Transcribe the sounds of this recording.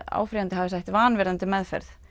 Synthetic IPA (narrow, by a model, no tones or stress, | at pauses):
a̰ːwfɾijant̪ɪhavɪsajht̪vaːnvɛɾðant̪ɪmɛðfɛ̰ɾθ